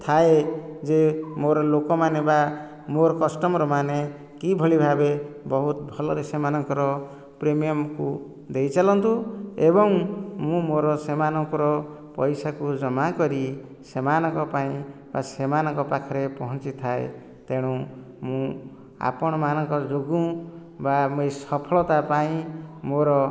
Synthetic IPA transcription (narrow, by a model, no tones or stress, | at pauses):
t̪ʰaed͡ʒemoɾɔlokɔmaneba | moɾɔkɔsʈɔmɔɾɔmane | kibʱɔɭibʱabebɔɦut̪bʱɔlɔd̪esemanɔŋkɔɾɔ | pɾemijɔmku | d̪ejt͡ʃalɔnt̪uebɔŋmũmoɾɔsemanɔŋkɔɾɔ | pɔjsakud͡ʒɔmakɔɾi | semanɔŋkɔpaĩ | basemanɔŋkɔpakʰɔɾepɔɦɔnt͡ʃit̪ʰaḛ | t̪eɽ̃ũ | mũ | a̰pɔɽ̃ɔmanɔŋkɔd͡ʒoɡũ | bamojsɔpʰɔɭɔt̪apaĩmoɾɔ